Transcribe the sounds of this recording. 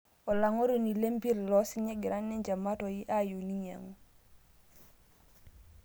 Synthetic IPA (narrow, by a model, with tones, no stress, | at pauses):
o˨la˨ŋo˦ɾo˨ni˨le˦mbi˦ɾlɔ˦si˦ɲe˦ɡi˨ɾa˦nːɛ˦ɲd͡ʒa˨ma˦to˨ji˦ʔa˦ju˨ni˦ɲa̰˨ŋu˦